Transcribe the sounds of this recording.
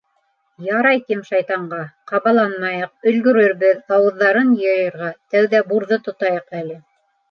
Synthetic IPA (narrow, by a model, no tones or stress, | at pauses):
jɑɾɑjkɘmʃɑjt̪ɑɴɢɑqɑβɑlˠɑnmɑjɤq̚ɵ̆lɡɵ̆ɾɵ̆ɾβɘðɑwɤ̆ðːɑɾɤnjɤ̆jɤ̆ɾʁɑt̪æwðæbuɾðɤt̪ŏt̪ɑjɤqælɘ